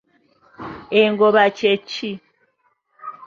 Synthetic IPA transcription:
eŋɡoβat͡ʃet͡ʃːi

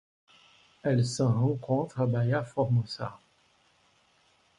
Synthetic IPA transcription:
ɛlsəʁɑ̃kɔ̃t̪χabajafɔʁmusa̰

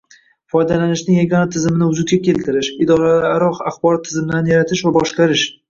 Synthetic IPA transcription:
fɒjd̪alanɪʃnɪŋjaɡʲɒnat̪ʰɪzɪmɪnɪʊd͡ʒʊt̪̚ɡʲakʲe̞lt̪ʰɪɾɪʃɪd̪ɒɾaaɾɒqaχbɒɾɒt̪ʰːɪzɪmɪd̪anjaɾat̪ʰɪʃvabɒʃqɑɾɪʃ

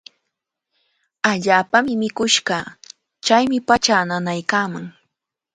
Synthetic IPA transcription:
aʎaːpamɪmɪkʊʃɢɑ | t͡ʃajmɪpat͡ʃananajkaːmaŋ

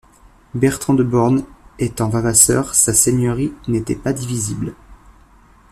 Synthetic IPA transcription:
bɛʁt̪χɑ̃d̪əbɔʁnet̪ɑ̃vavasœʁsasenjœʁinet̪ɛ̰pad̪ivizibl

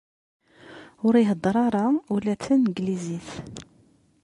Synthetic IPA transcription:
ʊɾiɦəd̪ˤːɾˤɑɾˤɑulæt͡sːænɡliziθ

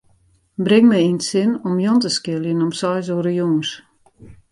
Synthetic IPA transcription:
brɪŋmɛjinsɪnɔmjɔntəskɪlˠjənɔmsɔjs̬oəɾəjuːns

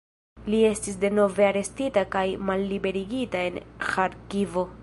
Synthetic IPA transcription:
lie̞stis̬de̞no̞ve̞aɾe̞stitakajmalːibe̞ɾiɡitae̞nxaɾkivo̞

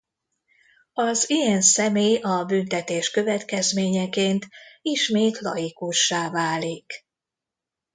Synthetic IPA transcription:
ɒzijɛnsɛmeːjɒbynt̪ɛt̪eːʃkø̞vɛt̪kɛzmeːɲɛkeːnt̪iʃmeːt̪lɒ̰jikuʃːaːvaːlik

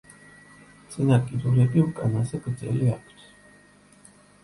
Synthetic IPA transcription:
t̪sʼinakʼid̪uɾɛbiukʼanazɛɡɾd̪zɛ̰liakʰt̪ʰ

